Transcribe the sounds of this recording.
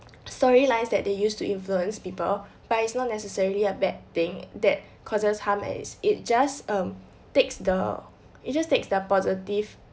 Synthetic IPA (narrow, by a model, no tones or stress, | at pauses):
stɔɹilãɪsdɛt̚dejustuʔĩnfluə̃nspipəl | b̥atitsnɔt̚nɛsəsɛɹiliəbɛd̚t̪ɪ̃ŋdɛt̚ | kʰɔzəshamɛ̰sit̚d͡ʒasʌ̃m | teksdə | it̚d͡ʒasteksdəpɔzitiv